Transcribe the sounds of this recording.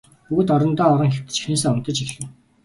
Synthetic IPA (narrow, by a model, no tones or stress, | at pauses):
uɣɘ̆t̪ɔɾɞ̆nt̪ɔːɾɞ̆ŋxew̥t̪ɘ̥̆t͡ɕi̥xensăŋʊn̥t̪ə̆t͡ɕixɮɘ̆ŋ